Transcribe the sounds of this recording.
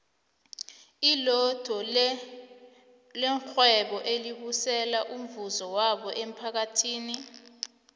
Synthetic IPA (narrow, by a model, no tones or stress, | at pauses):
ilɔd̥ʱɔ | lɛŋxwɛɓɔʔeliɓusɛlaʔum̩vuzɔwaɓɔʔem̩pʰak̬atʰiːni